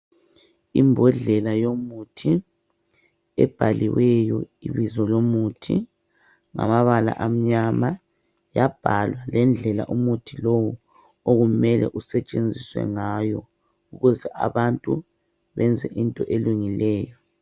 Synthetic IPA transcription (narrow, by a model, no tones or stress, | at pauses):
imbʱɔɮɛlajomutʰi | ɛ̰b̥ʱaliwɛjɔiβizɔlomutʰi | ŋa̰maβala̰ʔam̩ɲama | jab̥ʱalwalɛnd͡ɮʱɛla̰ʔumutʰilowu | oɣumɛlɛ̰ʔusɛt͡ʃʼend͡zʱiswɛ̰ŋajɔ | uɣuzɛʔa̰βantʼu | βɛnd͡zʱɛʔintʼɔʔeluŋilɛːjɔ